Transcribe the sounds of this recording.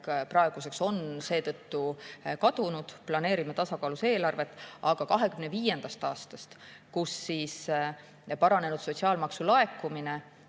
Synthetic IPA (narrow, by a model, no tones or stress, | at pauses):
kprɑe̞ɡ̥use̞kso̞nse̞ːt̪ɤt̪ːukɑd̪̥unud̪̥plɑne̞ːɾimet̪ɑsɑkɑːluse̞ːlɑrve̞t̪ːˑʔɑɡ̥ɑkɑɦe̞kymne̞viːje̞nd̪̥ɑst̪ɑːst̪ɑst̪kusːiːs | pɑɾɑne̞nud̪so̞t̪ʲsiɑːlmɑksulɑe̞kːumine̞